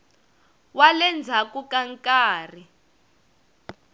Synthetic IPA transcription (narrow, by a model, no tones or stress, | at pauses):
walɛnd͡zʱakukaŋkaːri